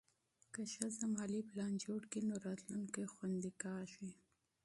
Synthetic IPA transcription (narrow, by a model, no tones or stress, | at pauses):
kaʃazamɑliplɑnd͡ʒoɽkinoɾɑt̪luŋkaxwand̪ikɑːʃwi